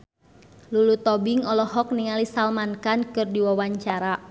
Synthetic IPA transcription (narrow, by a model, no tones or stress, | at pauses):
lulut̪ɔbiŋɔlɔɦɔk̚niŋalisalmankankɨrdiwawaɲt͡ʃaɾa